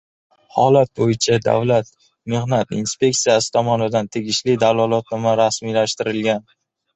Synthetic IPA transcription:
hɒlat̪̚bojɪt͡ʃʰad̪a̰vlat̪ | mehnat̪inspe̞k̚t̪sijasɪ̥t̪ʰɒmɒnɪd̪ant̪ʰeɡʲɪʃlɪd̪alalˠɒt̪̚nɒmaɾasmilaʃt̪ɪɾɪlɡʲan

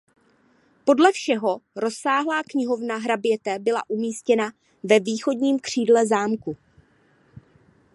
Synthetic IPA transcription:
po̞dlɛfʃɛɦo̞ɾo̞saːɦlaːkɲɪɦo̞vnaɦɾabjɛt̪ɛbɪla̰ʔumiːscɛna | vɛviːxo̞dɲiːmkr̝̥iːdlɛzaːmku

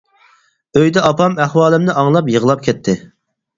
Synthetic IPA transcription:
øjd̪ɛɑpɑmæχwɑːlˠɪmnɪʔɑŋlˠɑpjəʁəlˠɑp̚kʲʰɛt̪ʰːɪ

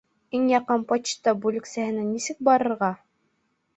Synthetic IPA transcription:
iŋjɑqɤnpɑt͡ɕt̪ɑbulɘ̆ksæhɘ̆nɘnisɘk̚bɑɾɤ̆ɾʁɑ

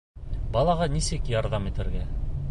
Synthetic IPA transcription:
bɑlˠɑʁɑnisɘkjɑɾðɑmit̪ɘ̆ɾɡæ

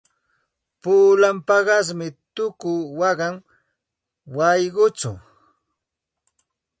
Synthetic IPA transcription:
puːlampɑɢɑs̬mɪt̪ʊkʊwɑɢɑŋ | wɑjɢʊt͡sʊ̰

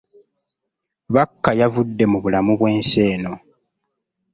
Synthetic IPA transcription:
βakːajavudːe̞muβulamuβwe̞ːnse̞ːno̞

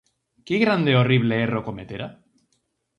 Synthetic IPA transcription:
keɣɾand̪eoriβ̞leerokomet̪eɾa

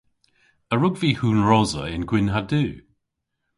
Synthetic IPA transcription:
əɹʊɡviːhuːnɹɔzə̰ɪnɡwɪnɦadʉː

